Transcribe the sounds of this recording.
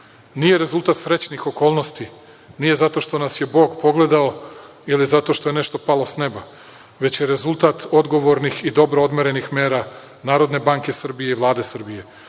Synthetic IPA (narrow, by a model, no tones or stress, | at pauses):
nije̞ɾe̞zulˠt̪at̪sɾe̞t͡ɕnixo̞ko̞ːlˠnost̪i | nije̞zat̪o̞ʃt̪o̞nasje̞bo̞ːɡpo̞ɡle̞d̪ao | ilizat̪o̞ʃt̪o̞jene̞ʃt̪o̞palˠo̞sne̞ba | ʋe̞t͡ɕje̞ɾe̞zulˠt̪at̪o̞d̪ɡo̞ʋo̞ɾnixid̪o̞bɾood̪meɾe̞nixme̞ːɾa | naːɾo̞d̪ne̞baŋke̞sr̩bijeiʋlˠaːd̪e̞sr̩bije̞